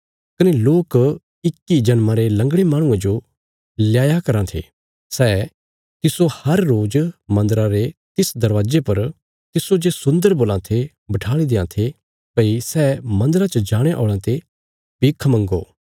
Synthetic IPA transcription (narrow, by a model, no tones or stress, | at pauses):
kɐneloːk | ɪkːid͡ʒɐnmãɾelɐ̃ŋɡɽemaːɽ̃ʊ̃ãd͡ʒo | ljaːjakɐɾãt̪ʰḛː | sɛː | t̪ɪsohɐɾːoːd͡ʒmɐ̃nd̪ɾãɾet̪ɪsd̪ɐɾʋaːd͡ʒepɐɾ | t̪ɪsod͡ʒeːsʊ̃nd̪əɾboːlãt̪ʰe | bɐʈʰaːɭ̃id̪eːãt̪ʰe | pɐisɛːmɐ̃nd̪əɾat͡ʃəd͡ʒaːɽ̃eʔo̰ːɭãt̪e | piːkʰmɐ̃ŋɡo̰ː